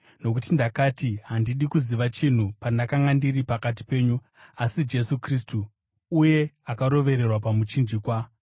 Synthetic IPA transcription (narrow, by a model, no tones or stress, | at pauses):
no̞k̬utindakaːtiɦandiɗikuziʋat͡ʃin̤upandakaŋɡandiripakat̬i̥pe̞ːɲu | asid͡ʒe̞sukristuː | je̞akaɾo̞ʋe̞ɾe̞rwapamut͡ʃind͡ʒikwa